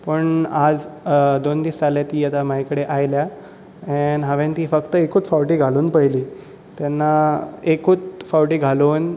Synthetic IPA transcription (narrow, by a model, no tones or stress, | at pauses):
pəɳad͡zd̪ond̪iːstaljat̪iːjat̪amajkəɽeʔajlja | anɦaʋent̪iːfəkt̪əekuːt͡sfawʈiːɡʱaluːnpəjliː | t̪janːaekuːt͡sfawʈiːɡʱaluːn